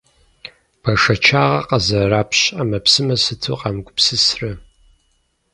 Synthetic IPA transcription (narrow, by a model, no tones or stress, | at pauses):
b̥ɐʂɐt͡ʃʰaːʁɐ̰qɐzɐraːpʰɕaːmɐpsɨmɐsɨtʰṵːqɑmɡʷʼʊpsɨsrɐ